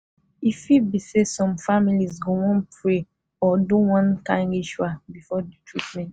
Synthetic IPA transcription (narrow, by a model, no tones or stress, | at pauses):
ifibisesɔ̃mfamilizɡowɔ̃npɹe | ɔdõwɔ̃nkãnɡiʃuabifɔditʰɹitmɛ̃nt